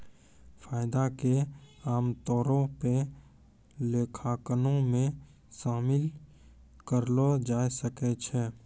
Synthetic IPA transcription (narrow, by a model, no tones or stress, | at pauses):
fʰaːɪd̪akeaːmt̪ɔːɾõpe | leːkʰaːkənõmẽ | ʃaːmɪl | kəɾlod͡ʒaːjsəket͡ʃʰɛː